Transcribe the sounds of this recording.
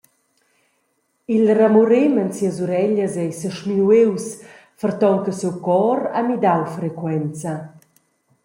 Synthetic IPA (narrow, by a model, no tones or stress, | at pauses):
ilramuɾemənsiəzuɾɛʎəzɛjsəʃminuews | fərt̪ɔŋkəsewkɔɾa̰mid̪awfɾɛkwɛnt͡sa